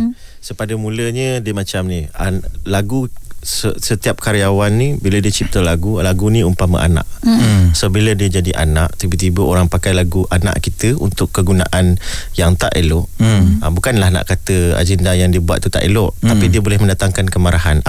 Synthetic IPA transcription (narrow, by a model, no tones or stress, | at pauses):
səpadəmuləɲədiəmat͡ʃamnialaɡusəsət̪iap̚kaɾiawanːibilədiət͡ʃip̚t̪əlaɡulaɡuniumpamə̰ʔa̰na̰ʔsobilədiəd͡ʒadiʔa̰naʔt̪ibət̪ibəoɾaŋpakajlaɡuʔana̰ʔkit̪əṵnt̪ʊkːəɡuna̰ʔanjaŋt̪aʔeloʔəbukanlahna̰ʔkat̪əa̰d͡ʒəndajaŋdiəbuat̪̚ːut̪a̰ʔelʊʔt̪apidiəbolɛhmə̃ndat̪aŋkankəmaɾaɦan